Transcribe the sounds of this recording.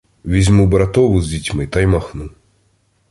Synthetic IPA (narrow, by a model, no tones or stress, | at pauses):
ʋʲizʲmubɾɐt̪ɔʋʊzʲdʲitʲmɪjt̪ɐjmaxnu